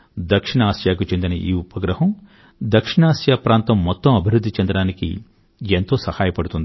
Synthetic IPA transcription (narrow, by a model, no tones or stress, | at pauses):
d̪ɐkʂiɳaːsjaːk̬ut͡ʃend̪inɐʔiːupɐɡɾɐɦɐm | d̪ɐkʂiɳaːsjaːpɾaːnt̪ɐmːɔt̪ːɐmɐbʱiɾud̪ʱːit͡ʃɐnd̪ɐɽaːnikḭ | ent̪o̞ːsɐhaːjɐpɐɽut̪und̪i